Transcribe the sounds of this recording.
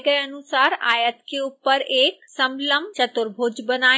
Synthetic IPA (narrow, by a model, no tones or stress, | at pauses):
ɡɐjɐnʊsaːɾa̰ːjət̪kʰeʊpəɾeːksɐ̃mləmt͡ɕɐt̪ʊɾbʱoːd͡ʑbɐnaː